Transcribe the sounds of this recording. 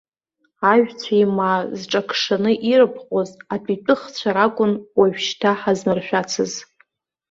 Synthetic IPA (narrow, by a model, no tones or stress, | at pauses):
aʒᶣt͡sʷʰaimazʈ͡ʂʼakʰʂanɨʔirɨpʰχʷʼozapʼitʼɨχt͡ɕʷʰaɾakʷʼʊnwaɥᶣʃtʰaħazmarʃᶣat͡sʰɨz